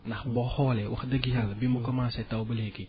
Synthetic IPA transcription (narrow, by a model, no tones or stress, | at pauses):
naxbɔhɔlɛwə̰xdəɡijaləbimokɔmasɛtawbəleɡi